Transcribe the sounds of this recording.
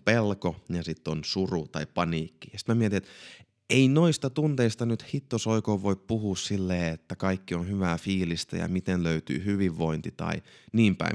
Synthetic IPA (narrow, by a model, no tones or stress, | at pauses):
pelkojɑsit̪ːonsurut̪ɑipɑniːkːi̥jɑsi̥t̪memiet̪inet̪ | einoist̪ɑt̪unt̪eist̪ɑnyt̪hit̪ːosoikoːʋʋoippuhuːssilːeːet̪ːækɑikːionhyʋæːfiːlist̪æ̰jɑ̰mit̪enløyt̪y̰ːhyʋiʋːoint̪it̪ɑ̰iniːmpæ̰ḭ